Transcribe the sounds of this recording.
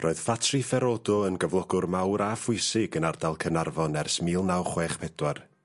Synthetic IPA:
rʔoːɨð̥fatʰrifɛɾɔdɔənɡəvlˠɔɡʊrmawɾafʊɨsɪɡənardalˠkʰənarvɔnɛrsmiːlˠnawχweːχpʰɛd̥war

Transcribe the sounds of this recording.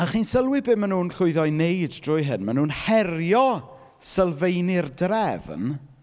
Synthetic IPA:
aχiːnsəlˠwɪbɪmanuːnɬʊɨðɔjnejddrʊjɦɪnmanuːnhɛrjɔ | səlˠvejnɪrdrɛvn

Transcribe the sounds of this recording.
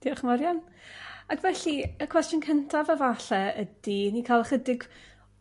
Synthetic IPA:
d̥iɔχməɾjanaɡvɛɬiəkʰw̥ɛstjʊnkʰəntʰavavaɬɛədinikʰalˠχədɪɡ

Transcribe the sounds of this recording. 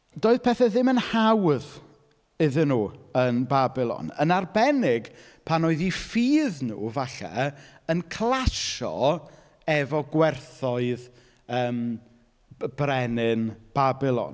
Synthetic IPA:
doːɨðpʰɛθɛðɪmənhawð | ɪðɪnuːənbabɪlˠɔ̰nə̰narbɛnɪɡ | pʰanoːɨðifiːðnṵːvaɬɛ̰ənkʰlˠaʃɔ̰ | ɛvɔɡwɛrθɔɨð | əːm | b̥rɛnɪnb̥abɪlˠɔ̰n

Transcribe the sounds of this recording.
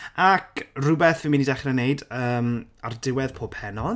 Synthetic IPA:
akʰrʊbɛθvɪnminidaχrɛneɨdəːmardɪwɛð̥pʰoːb̥hɛnɔ

